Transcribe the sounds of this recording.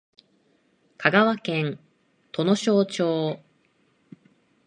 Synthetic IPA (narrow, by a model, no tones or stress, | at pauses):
kʰaɡaβakẽ̞n | t̪ʰo̞no̞ɕo̞ːt͡ɕo̞ː